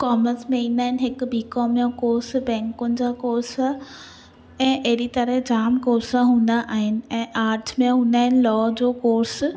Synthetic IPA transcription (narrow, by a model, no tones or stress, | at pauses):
kɔːmənsmẽĩːnd̪aːɦɪnɪɦɪkbiːkɔːmjõkoːɾsbɛ̃ːŋkʊnɪ̆d͡ʑaːkoːɾsa | ɛ̃ːʔɐɦɾit̪ɐɾɛɦd͡ʑaːmkoːɾsaɦũːn̆d̪aʔaːɦɪnɪ̆ɛ̃ːʔaːɾʈʰmẽɦũːnd̪aːɦɪnɪ̆lɔːd͡ʑoːkoːɾs